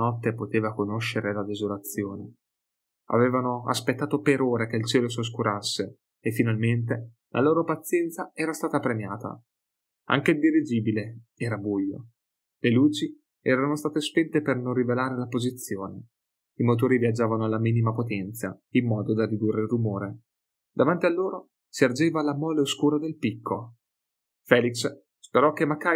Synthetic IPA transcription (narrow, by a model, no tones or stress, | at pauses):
nɔt̪ːepot̪eːvakonoʃːeɾelad̪ezolat̪sjoːne | a̰veːvanoa̰spet̪ːaːt̪opeɾoːɾek̟eilt͡ʃɛːlosos̬kuɾʔasːeː | fːinalment̪̬e | lʔa̰loːɾopat̪sːjɛnt̪saɛːɾast̪aːt̪apɾemja̰ːt̪a̰ | a̰ŋk̟ed̪iɾid͡ʒiːbileɛːɾabujːo̰ | leluːt͡ʃi | ɛ̰ːɾanost̪aːt̪espɛnt̪epernonrːivelaːɾelapozit̪sːjoːne | imot̪̬oːɾiviad͡ʒaːvanoalːamiːnimapot̪ɛnt̪sa̰imːɔːd̪od̪arːid̪urːelrːumoːɾe | d̪avant̪ialːoːɾo | siard͡ʒeːvalamɔːleoskuːɾad̪elpikʰːo̰ | fɛːliks | speɾɔk̟ːemaka